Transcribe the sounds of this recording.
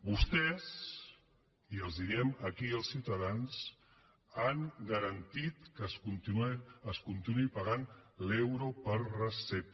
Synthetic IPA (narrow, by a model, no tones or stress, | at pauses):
bust̪ɛs | iəlˠzðiɾɛməkiəlˠsiwt̪əðans | aŋɡəɾənt̪it̪kəsunt̪iəskunt̪inuipəɣanlewɾopəɾrəsɛp̪̚